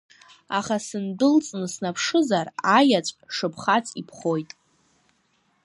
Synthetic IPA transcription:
aχasɨndɨlt͡sʼnɨsnapʰʂɨzarajat͡ɕʷʼʂɨpʰχat͡sʰʼipʰχo̞jtʼ

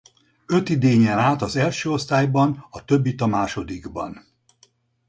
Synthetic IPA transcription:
ø̞t̪id̪eːɲɛnaːt̪ɒzɛlʃøːo̞st̪aːjbɒnɒt̪øbːit̪ɒmaːʃo̞d̪iɡbɒ̰n

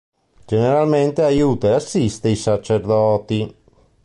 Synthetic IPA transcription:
d͡ʒeneɾalment̪eajuːt̪aeasːist̪eisat͡ʃeɾd̪ɔːt̪i

